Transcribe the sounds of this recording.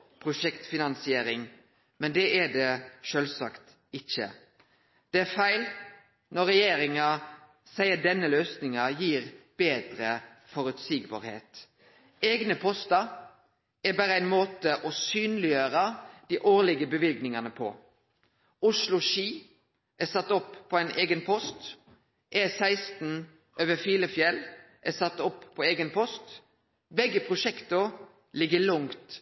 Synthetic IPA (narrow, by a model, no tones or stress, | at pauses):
pʰɾʊʂɛkt̪fɪnɑnsɪeːɾɪŋ | mɛnd̪ɛʔæɖɛʃølsɑkt̪ | ɪçə̰ | d̪̥ɛæfæɪl | nɔɾɛjeːɾɪŋɑ | sæɪəd̪ɛnːəløːsnɪŋɑjiːɾb̥eːd̪ɾə | fɔɾʉt̪siːɡbɑ̰ːɾhḛːt̪ | eːɡnəpʰɔst̪ɑ | æɾbæːɾəæɪnmoːt̪əʔɔsyːnlɪjøːɾəd̪̥iːʔoːʁlɪɡəbəʋɪlɡnɪŋɑnəpʰɔ̰ | ʊʂlʊʃiː | ʔæsɑt̪ːɔpːpʰːɔæɪnʔeːɡənpʰɔst̪ | ʔɛsæɪst̪n̩ | ʔøːʋəfiːləfjɛl | ʔæsɑt̪ːɔpːʰɔeːɡənpʰɔst̪ | bɛɡːəpʰʁʊʃɛkt̪ʊ | lɪɡːəlʊŋt̪